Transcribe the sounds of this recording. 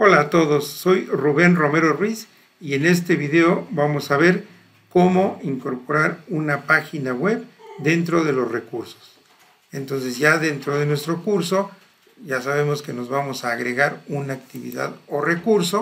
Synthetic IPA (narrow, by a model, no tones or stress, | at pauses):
o̞laːt̪o̞ðo̞sːo̞jruβe̞nro̞me̞ɾorwis | ie̞ne̞st̪e̞β̞iðe̞oβamo̞saβ̞e̞ɾ | ko̞mo̞iŋko̞ɾpo̞ɾaɾunapaxinaɣwe̞βd̪e̞nt̪ɾo̞ðe̞lo̞sre̞kuɾso̥s | e̞nt̪o̞nse̞zʝaðe̞nt̪ɾo̞ð̞e̞nwe̞st̪ɾo̞kuɾso̞ | ʝasaβe̞moske̞no̞zβamo̞saːɣɾe̞ɣaɾunaːkt̪iβḭða̰ðo̞rekuɾso